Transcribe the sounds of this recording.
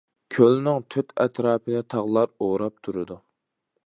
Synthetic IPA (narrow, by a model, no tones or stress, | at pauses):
kʲʰølnɪŋt̪ʰøt̪ʰɛ̰t̪ʰɾɑːpʰɨnɨt̪ʰɑʁlˠɑɾoɾɑp̚t̪ʰuɾɨd̪u